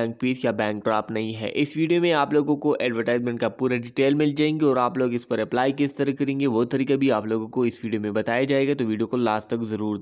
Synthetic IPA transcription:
ɛ̃ːŋk̚piːsjabɛ̃ːŋk̚ʈɾaːpnɐɦĩɦɛ̰ʔɪsʋiːɖijomẽaːploːɡõkoʔɛːɖʋəɾʈaːɪzmɛ̃ːɳʈ̚kapuːɾaɖiːʈeːlmɪld͡ʒaːẽŋɡeɔːɾaːploːɡɪspɐɾɐplaːikɪst̪ɐɾəkɐɾẽːŋɡeʋot̪ɐɾiːkabʱiaːploːɡõkoɪsʋiːɖijomẽbɐt̪aːjad͡ʒaːeːɡat̪oʋiːɖijokolaːst̪ɐkzɐɾuːɾd̪

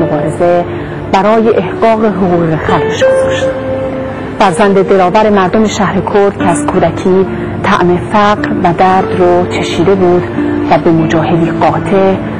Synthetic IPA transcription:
obɒːɾeze̞ | b̥æɾɒːjeʔːhɢɒːɣe̞ɦoɣuːɣɣexæɾbeʃɡozɒʃt̪ | fæɾzænd̪ed̪e̞ɾɒːvæɾe̞mæɾd̪ome̞ʃæhɾekʰoɾd̪̥̚cʲʰeæz̥kʰuːd̪æcʰiː | t̪ʰæ̰ʔme̞fæɢɾvæd̪æɾd̪rot͡ʃʰe̞ʃiːd̪e̞buːd̪væbe̞mod͡ʒɒːhe̞d̪iːɡɒːt̪ʰe̞ʔ

